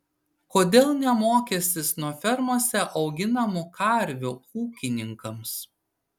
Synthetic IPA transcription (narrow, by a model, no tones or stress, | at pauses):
koːd̪ʲeːlˠnʲɛmoːkʲɛsʲt̪ʲɪsnuɔfʲɛɾmuɔsʲɛʔɒʊɡʲɪnɐmʊkʰɐˑɾʲʋʲʊuːkʲɪnʲɪŋkɐms